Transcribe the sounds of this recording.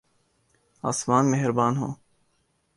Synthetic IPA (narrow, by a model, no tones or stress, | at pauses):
a̰ːsmaːnmeɦɪɾbaːnɦõ̰ː